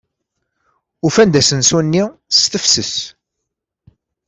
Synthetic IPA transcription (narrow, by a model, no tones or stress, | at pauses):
ufænd̪æsənsunːist̪əfsəs